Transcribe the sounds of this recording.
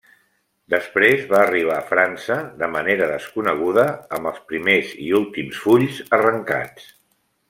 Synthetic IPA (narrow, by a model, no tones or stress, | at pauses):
d̪əspɾezβaːriβ̞aːfɾansəðəməneɾəðəskunəɣ̞uðəːmbəlˠspɾimezḭulˠt̪imsfuʎzərəŋka̰t͡s